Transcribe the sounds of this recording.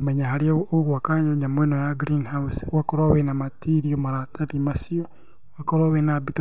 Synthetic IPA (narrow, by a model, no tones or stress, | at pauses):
meɲaɦaɾiaoɣwakaɲoɲamwenojaɡɾinhauswakoɾoβenamatiɾiomaɾataðimasio | wakoɾoβenabit